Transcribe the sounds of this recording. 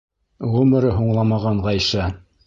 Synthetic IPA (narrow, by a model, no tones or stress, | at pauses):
ʁʉmɘ̆ɾɘɦuɴlˠɑmɑʁɑɴʁɑjʃɑ